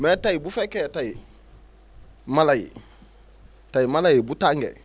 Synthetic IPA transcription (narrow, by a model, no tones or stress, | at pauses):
metajibufeketaji | malajḭ | tajimalajibutaŋɡḛ